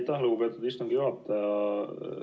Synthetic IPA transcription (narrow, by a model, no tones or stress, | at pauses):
t̪ːæluɡupe̞ːt̪ːˑud̪ist̪ɑŋɡ̥ijuɦɑt̪ːˑɑjɑ